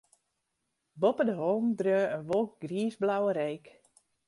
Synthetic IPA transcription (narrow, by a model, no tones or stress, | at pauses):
bopədəɦɔlˠmdrøːənʋolˠk̚ɡriːzblawəɾejk